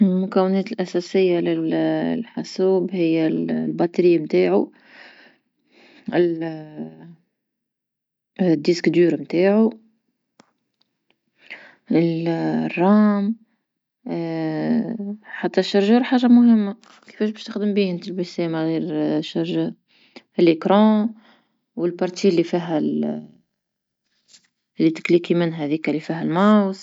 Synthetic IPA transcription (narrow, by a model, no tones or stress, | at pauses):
lmʊkæwːɪnɛːt̪ɪlʔæsɛsɪjːalɪllħasuːbhɪjːælbɑt̪ˤɾɪːmt̪aːʕu | ɪl | d̪iskd̪yːɾmt̪aːʕu | ɪlrˤːɑːm | ħat̪ːæʃːɑɾʒɑɾħaːʒːamʊhɪmːa | kɪ̥fɛːʃ̬bæʃt̪əxd̪əmbint̪əlbəsɛmaɣiːɾʃːɑɾʒa | lekɾɑ̃ | wəlpɑɾˤt̪ilːifiɦæl | lːit̪ɪ̥klikimɪnɦæðikælːifiɦælmaws